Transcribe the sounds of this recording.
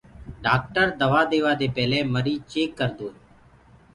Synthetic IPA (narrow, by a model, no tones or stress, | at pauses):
ɖaːk̚ʈəɾd̪əʋaːd̪eːʋaːd̪eːpɛːlẽːməɾiːt͡ʃeːkːəɾd̪oː